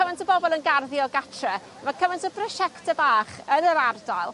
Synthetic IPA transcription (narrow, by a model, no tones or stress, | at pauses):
əvantʰəbɔbɔlˠənɡarðjɔɡatʰrɛ | makʰəvantʰəprɔʃɛktʰəbaːχənəɾardajlˠ